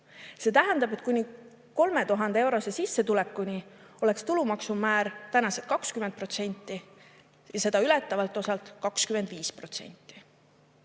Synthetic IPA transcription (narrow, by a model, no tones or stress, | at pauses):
se̞ːt̪æɦænd̪̥ɑbe̞t̪̚ˑkunʲi | ko̞lme̞t̪uɦɑnd̪ee̞wɾo̞sesisːe̞t̪ulɛkːˑunʲi | o̞le̞kst̪ulumɑksumæːɾt̪ænɑset̪̚kɑkskymend̪̚pro̞t̪se̞nʲt̪ˑːi | jɑse̞d̪̥ɑylɛt̪ːˑɑvɑlt̪ːˑo̞sɑlt̪kɑkskymend̪viːspro̞t̪se̞̰nʲt̪ːˑi